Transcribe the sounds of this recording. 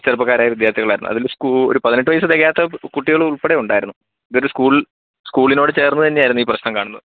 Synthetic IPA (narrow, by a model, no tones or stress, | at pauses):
t͡ɕɐrpːɐɣaːɾaːjɐʋid̪jaːrt̪ʰiɣɐɭaːjɾunːṵɐ̰ðilskuo̰ɾupɐðineʈ̬ːɨʋɐjs̬ɨt̪eɣɐjaːt̪ːɐkuʈːiɣɐɭuɭpeɽeuɳɖaːjiɾunːu | iðo̞ɾuskuːɭ | skuːɭino̞ːɽɨt͡ɕe̞ːrnːut̪ɐnːeaːjiɾunːuiːprɐɕnɐmkaːɳunːɐðɨ